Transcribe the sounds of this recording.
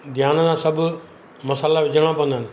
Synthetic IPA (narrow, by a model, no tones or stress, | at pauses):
d̪ʱjaːnsãːsɐbʱʊ | mɐsaːlaʋɪd͡ʒʱəɽ̃ãpɐʋə̃nd̪aːnɪ